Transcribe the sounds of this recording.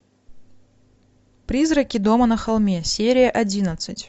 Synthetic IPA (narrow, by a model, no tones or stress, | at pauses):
pɾʲizɾəkʲɪd̪o̞mənɐxɐlˠmʲesʲeɾʲɪjəʔɐdʲinət̪sɨtʲ